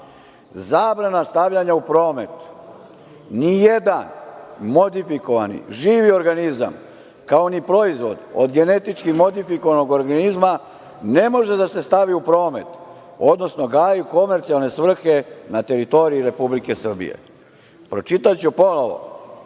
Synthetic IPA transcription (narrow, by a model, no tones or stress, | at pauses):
zaːbɾanast̪aʋʎaɲaupɾo̞ːme̞t̪ | nijed̪anmo̞d̪ifiko̞ʋanḭʒiːʋio̞ɾɡaniza̰m | kao̞nipɾo̞izʋo̞̰d̪o̰d̪ɡe̞ne̞t̪it͡ʃkimo̞d̪ifiko̞ʋano̞ɡo̞ɾɡanizma | ne̞mo̞ʒe̞d̪ase̞st̪aʋiupɾo̞ːme̞t̪ | o̞d̪no̞sno̞ɡaːjuko̞me̞ɾt̪sialne̞sʋr̩xe̞nat̪e̞ɾit̪o̞ɾiiɾe̞publike̞sr̩bḭjḛ | pɾo̞t͡ʃit̪at͡ɕupo̞noʋo̞̰